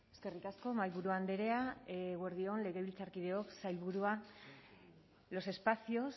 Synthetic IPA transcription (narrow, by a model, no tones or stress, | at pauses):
e̞ske̞rikasko̞majlβuɾuand̪eɾe̞aɣwe̞ɾðio̞nle̞ɣ̞e̞βilt͡saɾkið̞e̞o̞ksajlβuɾua | lo̞se̞spasio̞s